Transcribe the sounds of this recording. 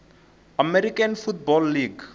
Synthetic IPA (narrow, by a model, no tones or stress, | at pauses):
amɛɾikanfut̚bɔlːiɡ